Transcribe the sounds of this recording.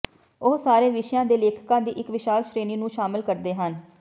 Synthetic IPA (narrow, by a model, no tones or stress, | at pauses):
oːsaːɾeːʋɪʃjãːd̪eːleːkʰkãːd̪ḭːʔɪkʋɪʃaːlʃɾeːniːnũːʃaːmɪlkəɾd̪eːɦən